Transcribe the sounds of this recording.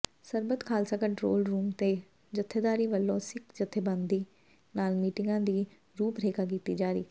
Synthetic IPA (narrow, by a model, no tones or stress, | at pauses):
səɾbət̪kʰaːlsãːkəɳʈɾo̰ːlɾuːmt̪eː | d͡ʒət̪ʰːeːd̪aːɾiːʋəlːõːsɪkd͡ʒət̪ʰːeːbãnd̪iː | naːlmiːʈɪŋɡãːd̪iː | ɾuːpɾeːkaːk̬iːt̪iːd͡ʒaːɾḭː